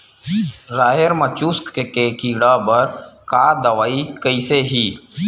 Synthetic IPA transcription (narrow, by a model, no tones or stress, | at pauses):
ɾaːɦeɾmət͡ʃuːskkekekiːɽaːbəɾkaːd̪əʋaːikəiseɦiː